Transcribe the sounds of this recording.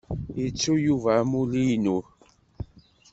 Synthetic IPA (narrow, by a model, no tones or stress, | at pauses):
it͡sːujuvamulinu